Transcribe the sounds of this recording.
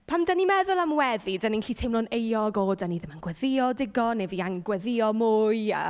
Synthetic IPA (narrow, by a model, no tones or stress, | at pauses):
pʰamdənimɛðʊlˠamwɛðidəninɬiːtʰejmlˠɔnejɔɡodaniðɪmanɡ̥wɛðɪɔdɪɡɔnɛviaŋɡwɛðɪɔmʊːja̰